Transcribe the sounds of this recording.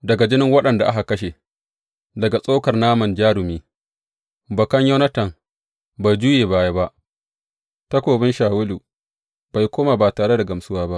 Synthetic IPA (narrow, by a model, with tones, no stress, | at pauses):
dɐ˨ɡa˨d͡ʒɪ˦nɪ˦ŋwɐ˦ɗɐ˨nda˨ʔa̰˦ɦa˨kɐ˦ʃe˨ | dɐ˨ɡa˨sʼoː˦kɐ˨rnaː˦mɐ˨nd͡ʒaː˦ɽʊ˨miː˦ | bɐ˨kɐ˦ɲjɐ˦nɐ˦tɐ˨ŋ | ba˨jd͡ʒʊ˦jeː˨baː˦ja˦ba˦ʔ | tɐ˦kʷoː˨bɪ˦nʃaː˨wʊ˦luː˨ | b̥a˨jkʷoː˦maː˨baː˨taː˨ɽe˦da˨ɡɐ˨msʊ˦waː˦ba˦ʔ